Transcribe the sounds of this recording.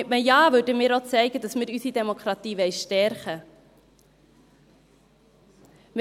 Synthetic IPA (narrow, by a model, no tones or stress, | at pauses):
tməjɑːvødəmɪːɾot͡sɛɪɡədɑsmɪːɾysidɛmokɾɑtiːvɛɪʃtɛɾχə | m